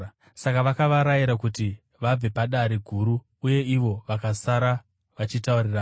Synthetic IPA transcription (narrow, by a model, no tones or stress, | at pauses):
sakaʋakaʋaɾajiɾakuti | ʋab͡ve̞paɗaɾiɡʱuɾuː | je̞iʋo̞ʋakasaɾa | ʋat͡ʃitauriraː